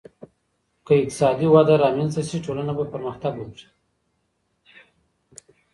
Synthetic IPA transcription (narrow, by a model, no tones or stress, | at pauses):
kəɪk̚t̪ɪ̥sɑd̪iwad̪aɾɑmenzt̪asiʈolanabapəɾməxt̪aɡwobʐi̥